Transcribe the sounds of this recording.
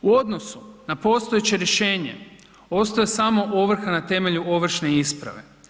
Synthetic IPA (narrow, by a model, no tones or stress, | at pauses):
uo̞d̪no̞sunapo̞ːst̪o̞jet͡ɕe̞ɾjeʃe̞ːɲe̞̰ | o̞st̪ojesamo̞ʔoʋr̩xanat̪e̞me̞ʎuo̞ʋr̩ʃne̞ispɾa̰ʋe̞̰